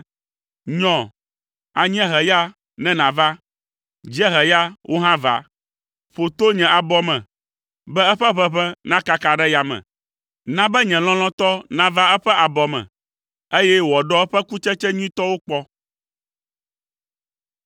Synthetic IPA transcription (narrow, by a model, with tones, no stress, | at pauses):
ɲɔ̃˨ | a˨ɲ˦ɛ̃˦ɦɛ˨ja˦ | nɛ̃˦nã˨va˦ | d͡ʒi˦ɛ˦ɦɛ˨ja˦wʔo˦ɦã˦va̰˨ | ɸo˨t̪o˦ɲɛ̃˨a˨bɔ˦mɛ̰̃˨ | bɛ˦ɛ˦ɸɛ˦ɸɛ˦ɸɛ˦nã˦ka˦ka˨ɖɛ˦ja˨mɛ̰̃˨ | nã˦bɛ˦ɲɛ̃˨l̃ɔ̃˦l̃ɔ̃˦t̪ɔ˦nã˦va˦ɛ˦ɸɛ˦ʔa˨bɔ˨mɛ̰̃˨ | e˦jɛ˦wɔ˨ɖɔ˦ɛ˦ɸɛ˦ku˦t͡ʃɛ˦t͡ʃɛ˦ɲũ˦ĩ˦t̪ɔ˦wo˦k͡pɔ˦